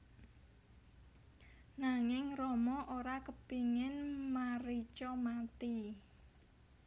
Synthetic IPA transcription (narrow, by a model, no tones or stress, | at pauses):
naŋɪŋrɔmɔʔoɾakəpiŋɪnmaɾit͡ʃɔmat̪i